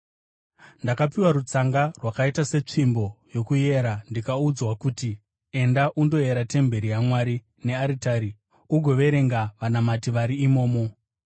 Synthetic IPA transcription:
ndakapiwaɾut͡saŋɡarwakaitase̞t͡ʂimbo̞jo̞kuje̞ɾandikaud͡zwakuti | e̞ndaʔundo̞je̞ɾate̞mbe̞ɾijamwaːɾi | ne̞aɾitaɾi | uɡʱo̞ʋe̞ɾe̞ŋɡaʋanamatiʋaɾiːmo̞ːmo̞

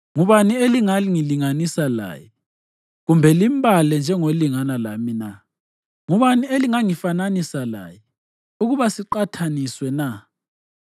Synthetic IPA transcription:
ŋuβanieliŋaŋiliŋanisala̰ːjɛ | ɣumbʱɛlimbʱalɛnd͡ʒʱɛŋoliŋanalamina | ŋuβanieliŋaŋifananisala̰ːjɛ | uɣuβasiǃatʰaniswɛna

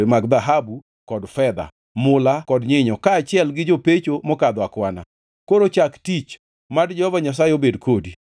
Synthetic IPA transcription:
emaɡd̪aɦabu | kɔdfɛd̪a̰ | mʊlakɔdɲɪɲɔkaːt͡ʃɪɛlɡɪd͡ʒopet͡ʃomɔkad̪wakwana̰ | koɾot͡ʃaktit͡ʃ | madd͡ʒɛhɔvaɲas̬ajeobedkodi

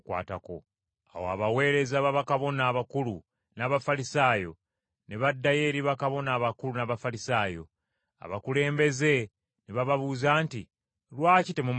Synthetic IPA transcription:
kwa̰ːtako̰ | a̰woa̰βawe̞ːɾe̞zaβaβakaβo̞naːβakulu | naβafalisaːjo̞ | ne̞βadːaje̞ːɾiβakaβo̞naːβakulunaβafalisaːjo̞̰ | a̰βa̰kule̞ːmbe̞ze̞ | neβaβaβuːzaːnti | lwaːcite̞mum

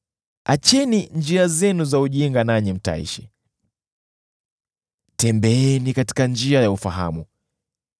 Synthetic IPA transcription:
at͡ʃɛniɲd͡ʒiazɛnuzauʄiŋɡanaɲɛm̩ta̰ḭʃɛ̥ | tɛmbɛɛnikati̥kand͡ʒiajaufaɦa̰mu

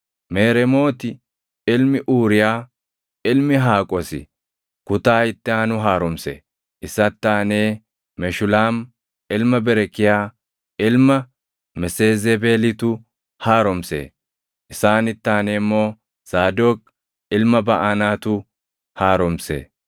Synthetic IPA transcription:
meːɾɛmo̞ːt̪ɪ | ɪlmɪʔuːɾɪjaː | ɪlmɪɦaːkʼɔsɪ̰ | kʊt̪aːɪt̪ːɪaːnʊɦaːɾɔmsḛː | ʔɪsːɐt̪ːaːneː | mɛʃʊlaːm | ɪlmɐbɛɾɛkːɪjaː | ɪlmɐ | mɛseːzebe̞ːlɪt̪ʊ | haːɾɔmsḛː | ʔɪsaːnɪt̪ːaːneːmːo̞ː | saːd̪oːk | ɪlmɐbɐʔanaːt̪ʊ | haːɾɔmsḛː

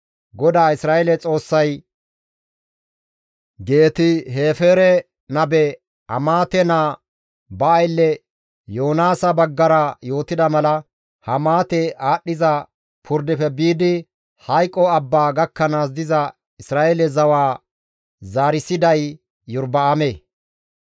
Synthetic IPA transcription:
ɡɔd̪aːɪsɾaːɛlɛt͡sʼo̞ːsːɐj | ɡe̞ːt̪ɪɦe̞ːfeːɾɛ | nɐbɛ | ɐmaːt̪ɛnaː | bɐːjlːɛ | jo̞ːnaːsɐbɐɡːɐɾɐjo̞ːt̪ɪd̪ɐmɐlɐ | hɐmaːt̪ɛaːɗːɪzɐ | pʰʊɾd̪ɪfɛbiːd̪ɪ | hɐjkʼːɔɐbːaːɡɐkːɐnaːs̬d̪ɪzɐ | ɪsɾaːʔeɛlɛzɐwaː | zaːɾɪsɪd̪ɐjː | ʊɾbɐameː

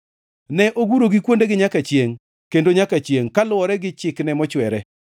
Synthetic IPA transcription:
nɛʔoɡuɾoɡikwondeɡɪɲakat͡ʃjeŋ | kendoɲakat͡ʃjeŋkalʊɔɾɛɡɪt͡ʃɪknɛmɔt͡ʃwɛɾɛ

